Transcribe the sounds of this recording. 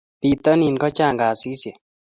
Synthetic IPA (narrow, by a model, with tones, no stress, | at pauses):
pi˨t̪ɔ˦ni˨nkɔ˦t͡ʃa˦˨ŋɡa˨si˦sjɛ˨